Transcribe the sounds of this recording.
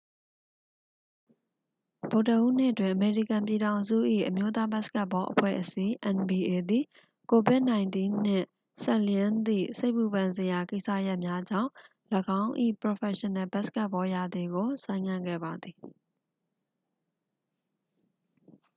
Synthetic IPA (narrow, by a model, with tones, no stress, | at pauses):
b̥o˨ʊtəʔṵ˦n̥ɪ̰˦˨ʔətwɪ̃˨ʔəme˨ɹi˦˨kã˨mpji˨ɾã˨ʊ̃nzṵ˦˨ʔḭ˦˨ʔəmjo˦t̪a˦ba˦ʔsə̥ka˦ʔpːɔ˦ʔəpʰwɛ̰˦˨ʔəsi˦ʔɛ̃˨nbi˨ʔe˨d̪ḭ˦˨ | ko˨bɪ˦ʔnã˨ɪ̃ntĩ˦n̥ɪ̰̃˦˨ | sɛ˦˨ljɪ̃˦nd̪ḭ˦˨se˦ɪʔpu˨bã˨nze˨ja˨ke˦ɪʔsä̰˦˨ja˦ʔmja˦d͡ʑã̰˦˨ʊ̃ | ləɡã˦ʊ̃ʔḭ˦˨pɹo˨fʰɛ˨ʃə̃˨nɛ˨ba˦ʔsə̥ka˦ʔpːɔ˦ja˨d̪i˨ɡo˨sã˨ɪ̃ŋã˦˨ɡɛ̰˦˨ba˨d̪ði˨